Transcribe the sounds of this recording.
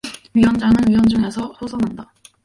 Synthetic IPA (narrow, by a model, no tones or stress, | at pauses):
ɥiwʌnd͡ʑaŋɯnɥiwʌnd͡ʑɯŋe̞sʰʌɸosʰʌnɦanda